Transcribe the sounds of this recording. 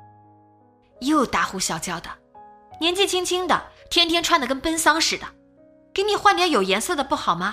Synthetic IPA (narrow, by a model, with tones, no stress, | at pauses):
jo˥˩ʊt̪a˧˥xu˧˥ɕjɑ˨˩ʊt͡ɕjɑ˥ʊd̪ə˩ | njɛ˧˥nt͡ɕi˥˩t͡ɕʰi˥ŋt͡ɕʰi˥ŋd̪ə̰˨t̪ʰjɛ˥nt̪ʰjɛ˥nʈ͡ʂʰwa˥˩nd̪ə˩kə˥npə˥nsɑ˥ŋʂɻ̩˨˩d̪ə˦ | ke˥ɪni˨˩xwa˥˧nmjɛ˥njo˨˩ʊjɛ˧˥nsɤ˥˩d̪ə˩pu˥˩xɑ˨˩ʊmɐ˦